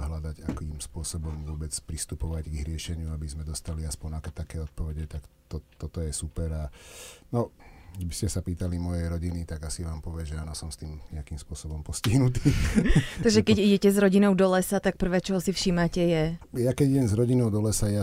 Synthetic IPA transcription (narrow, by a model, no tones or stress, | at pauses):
ɦlad̪aɟakimspʊɔsɔbɔmʋʊɔbɛt͡spɾist̪upɔʋaɟɡɦɾɪɛʃɛɲɪuabizmɛd̪ɔst̪aliaspɔnakɛt̪akɛːɔt̪̚pɔʋɛɟɛt̪akt̪ɔt̪ːɔt̪ɔjɛsupɛɾanɔkɛbiscɛsapiːt̪alimɔjɛjɾɔɟinit̪aɡasiʋaːmpɔʋɪɛʒɛaːnɔsɔmst̪iːmɲɛakimspʊɔsɔbɔmpɔsciɦnut̪iːt̪aɡʒɛkɛɟiɟɛcɛzɾɔɟinɔʊd̪ɔlɛsat̪ak̚pr̩ʋɛːt͡ʃɔɦɔsifʃimacɛjɛjakɛɟiɟɛmzɾɔɟinɔʊd̪ɔlɛsaja